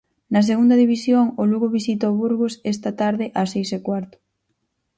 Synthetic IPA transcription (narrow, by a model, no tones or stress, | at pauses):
nɐs̬eɣund̪ɐðiβisjoŋʊluɣoβisit̪̬aoβuɾɣosest̪ɐt̪aɾðɪʔasejsekwaɾt̪ʊ̥